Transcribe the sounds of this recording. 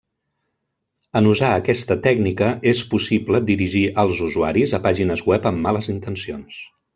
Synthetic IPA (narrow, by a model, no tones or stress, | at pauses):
ənuzaəkɛst̪ət̪ɛɡnikəʔespusibləd̪iɾiʒiʔəlˠzuzuaɾizəpaʒinəzwɛpəmːaləzint̪ənsions